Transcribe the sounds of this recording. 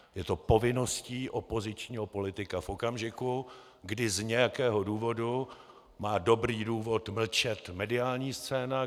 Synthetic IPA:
jɛt̪o̞po̞vɪno̞sciːʔo̞po̞zɪt͡ʃɲiːɦo̞po̞lɪt̪ɪkafʔo̞kamʒɪku | ɡdɪzɲɛjakɛːɦoduːvo̞du | maːdo̞bɾiːduːvo̞t̪ml̩t͡ʃɛt̪mɛdɪaːlɲiːst͡sɛːna

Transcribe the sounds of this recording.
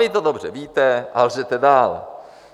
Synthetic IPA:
it̪̬odobr̝ɛviːt̪ɛʔalzɛt̪ɛdaːlɛ̰

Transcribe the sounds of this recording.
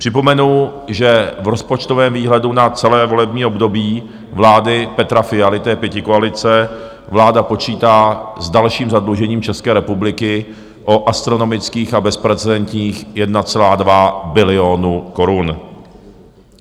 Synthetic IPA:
pr̥ɪpo̞mɛnuʒɛvɾo̞spo̞t͡ʃt̪ovɛːmviːɦlɛdunat͡sɛlɛːvo̞lɛbɲiːo̞bdo̞biː | vlaːdɪpɛt̪ɾafɪalɪt̪ɛːpjɛcɪkoalɪt͡sɛ | vlaːdapo̞t͡ʃiːt̪aːzdalʃiːmzadluʒɛɲiːmt͡ʃɛskɛːɾɛpublɪkɪ | ʔoʔast̪ɾo̞no̞mɪt͡skiːxabɛspɾɛt͡sɛdɛnt̪ɲiːxjɛdnat͡sɛlaːdvabɪlɪonuko̞ɾun

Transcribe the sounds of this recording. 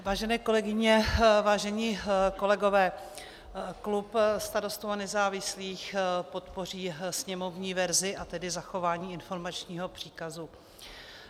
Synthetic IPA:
vaːʒɛnɛːko̞lɛɡɪɲɛvaːʒɛɲiːko̞lɛɡo̞vɛː | klupst̪aɾo̞st̪owanɛzaːvɪsliːxpo̞t̪po̞riːsɲɛmo̞vɲiːvɛɾzɪʔat̪ɛdɪzaxo̞vaːɲiːɪnfo̞ɾmat͡ʃɲiːɦo̞pr̥iːkazu

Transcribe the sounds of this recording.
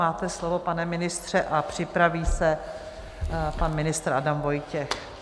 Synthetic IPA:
aːt̪ɛslovo̞panɛmɪnɪst̪r̝̥ɛʔapr̝̥ɪpɾaviːsɛ | panmɪnɪst̪ɾʔadamvo̞jcɛx

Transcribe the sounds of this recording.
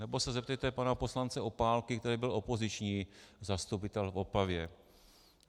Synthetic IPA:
nɛbo̞sɛzɛp̚t̪ɛjt̪ɛpanaposlant͡sɛʔo̞paːlkɪkt̪ɛɾiːbɪlʔo̞po̞zɪt͡ʃɲiːzast̪upɪt̪ɛlfo̞pavjɛ

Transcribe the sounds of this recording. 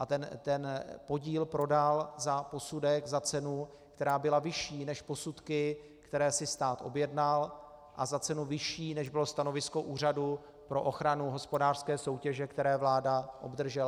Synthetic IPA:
ʔat̪ɛnt̪ɛnpo̞ɟiːlpɾo̞dalzapo̞sudɛɡzat͡sɛnu | kt̪ɛɾaːbɪlavɪʃiːnɛʃpo̞sut̪kɪ | kt̪ɛɾɛːsɪst̪aːt̪ʔo̞bjɛdnal | ʔazat͡sɛnuvɪʃiːnɛʒbɪlo̞st̪ano̞vɪsko̞ʔuːr̝adu | pɾo̞ʔo̞xɾanuɦo̞spo̞daːr̥skɛːso̞wcɛʒɛkt̪ɛɾɛːvlaːdaʔo̞bd̪r̩ʒɛl

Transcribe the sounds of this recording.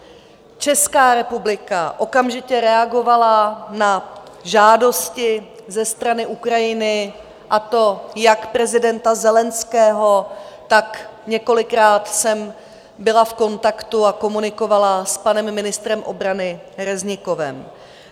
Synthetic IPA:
t͡ʃɛskaːɾɛpublɪkaʔo̞kamʒɪcɛɾɛaɡo̞valanaʒaːdo̞scɪ | zɛst̪ɾanɪʔukɾajɪnɪ | ʔat̪o̞jakpɾɛzɪdɛnt̪azɛlɛnskɛːɦo̞t̪akɲɛko̞lɪkɾaːt̪sɛm | bɪlafko̞nt̪akt̪uako̞munɪko̞valaspanɛmːɪnɪst̪ɾɛmʔo̞̰bɾanɪ | ɾɛzɲɪko̞vɛ̰m

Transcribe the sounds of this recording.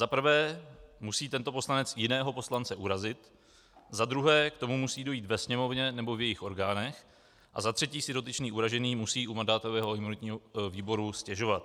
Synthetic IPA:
zapɾ̩vɛːmusiːt̪ɛnt̪o̞po̞slanɛt͡sjɪnɛːɦo̞po̞slant͡sɛʔuɾazɪt̪ | zad̪ɾuɦɛːkt̪o̞mumusiːdo̞jiːt̪vɛsɲɛmo̞vɲɛnɛbo̞vjɛjɪxʔo̞ɾɡaːnɛx | ʔa̰zat̪r̥ɛciːsɪdo̞t̪ɪt͡ʃniːʔuɾaʒɛniːmusiːʔumandaːt̪o̞vɛːɦojɛmunɪt̪ɲiːɦoviːbo̞ɾuscɛʒo̞vat̪̚

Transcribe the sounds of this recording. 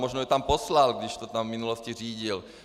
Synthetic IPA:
mɔʒnɔjɛt̪ampɔslalɡd̪iʃt̪ɔt̪amminulɔsciriːɟil

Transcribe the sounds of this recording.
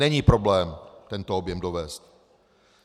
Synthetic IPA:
ɛɲiːpɾo̞blɛːmt̪ɛnt̪oobjɛmdovɛːst̪̚

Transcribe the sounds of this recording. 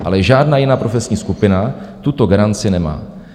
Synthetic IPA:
ʔa̰lɛʒaːdnaːjɪnaːpɾo̞fɛsɲiːskupɪnat̪ut̪o̞ɡaɾant͡sɪnɛma̰ː

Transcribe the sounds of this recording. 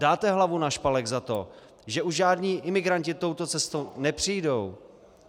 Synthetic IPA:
daːt̪ɛɦlavunaʃpalɛɡzat̪o̞̰ | ʒɛʔuʒʒaːdɲiːʔɪmɪɡɾancɪt̪o̞wt̪o̞t͡sɛst̪ownɛpr̝̥ijdow

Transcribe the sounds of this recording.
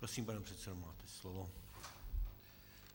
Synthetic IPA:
pɾosiːmpanɛmpr̥ɛt̪sɛdomaːt̪ɛslovo

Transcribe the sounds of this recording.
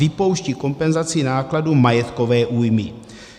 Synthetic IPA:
ɪpo̞wʃciko̞mpɛnzat͡sɪnaːkladumajɛt̪ko̞vɛːʔuːjmɪ

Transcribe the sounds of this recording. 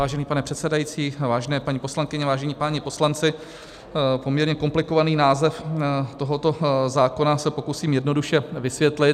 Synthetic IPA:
vaːʒɛniːpanɛpr̥ɛt̪sɛdajit͡siːvaːʒɛnɛːpaɲiposlaŋkɪɲɛvaːʒɛɲiːpaːɲɪpo̞slant͡sɪ | po̞mɲɛɾɲɛko̞mplɪko̞vaniːnaːzɛft̪o̞ɦo̞t̪o̞zaːko̞nasɛpo̞kusiːmjɛdno̞duʃɛvɪsvjɛt̪lɪ

